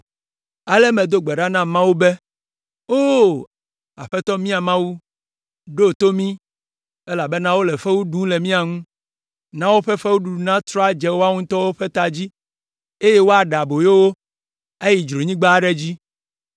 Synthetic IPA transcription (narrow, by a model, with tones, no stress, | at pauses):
a˨lɛ˦mẽ˨d̪o˦ɡ͡bɛ˨ɖa˦nã˦mã˦wo˦be˦ | o˦ | a̰˨ɸɛ˦t̪ɔ˦mĩ˦a˨mã˦wu˦ | ɖo˦˨t̪o˦mĩ˦ | e˦la˨be˦nã˦wo˦le˨ɸe˦wu˦ɖũ˦le˨mĩ˦a˨ŋũ˦ | nã˦wo˦ɸe˦ɸe˦wu˦ɖu˨ɖu˨nã˦t̪ɾɔ˦a˦d͡ʒɛ˦wo˦a˦ŋũ˦t̪ɔ˦wo˦ɸe˦t̪a˨d͡ʑi˦ | e˦je˦wo˦a˨ɖa˨bo˨je˦wo˦ | e˦ji˨d͡ʒɾo˨ɲĩ˦ɡ͡ba˦ɖɛ˦d͡ʑi˦